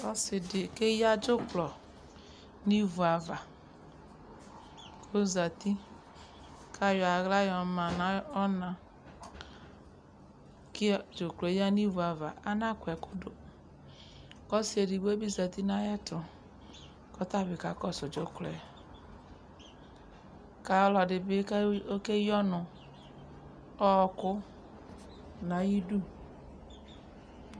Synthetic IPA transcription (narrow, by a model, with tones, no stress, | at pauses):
ɔ˦sdke˦ja˦d͡ʒo˦klɔ˨ | ni˦vu˨a˨va˨ | ko˦za˨ti˦ | kʰa˦˨jɔ˨a˨ɣla˦jɔ˨ma˨na˨ɔ˦na˨ | kd͡ʒo˨klo˨˦ja˦ni˦vu˨a˨va˨a˦na˦˨kʷɛ˨ko˦do˨ | kɔ˦si˨˦e˨di˨ɡe˦bi˦za˨ti˦na˦jɛ˦tʊ˨ | kɔ˦ta˦˨bɪ˨ka˨kɔ˦˨sʊ˨d͡ʒo˨˦kle˨ | ka˨ɔ˦lɔ˨dɪ˨bɪ˦ko˦ke˦jɔ˦nʊ˨ | ɔ˦˨kʊ˦ | na˨ji˦du˦